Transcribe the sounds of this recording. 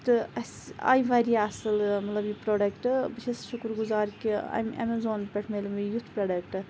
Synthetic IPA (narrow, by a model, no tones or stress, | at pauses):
t̪ɨɐsa̰ːjʋɐɾijɐsɨlmɐt̪lɐbjipɾoːɖɐkʈbiʃʰɐsʃukɾɡuzaːɾkiɐ̰mɐ̰mezoːnpɐʈʰmelumijut̪ʰpɾɐɖɐkʈɨ